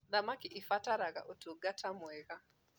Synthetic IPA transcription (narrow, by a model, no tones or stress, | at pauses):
ðamakiʔifataɾaɣa̰ʔutuɡatʰamwɛɣa